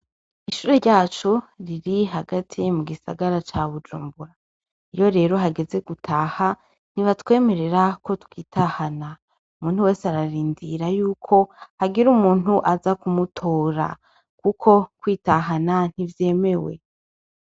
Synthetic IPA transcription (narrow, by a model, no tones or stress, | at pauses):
iʃuːɾe̞ɾɟaːt͡ʃoɾiɾiɦaɡatʰimuɡisa̰ɡaɾat͡ʃaβud͡ʒṵːmbuɾa | ijo̞ɾe̞ːɾo̞ɦaɡe̞ze̞ɡutʰaːha | n̥iβatwe̞ːme̞ɾe̞ɾako̞tkiːtahana | umuːn̥huwe̞ːseaɾaɾiːndiɾajuːkʰo̞haɡiɾumuːn̥uʔazakumutʰo̞ːɾa̰ | kukʰo̞kwiːtaɦanan̥ivje̞ːme̞we̞̰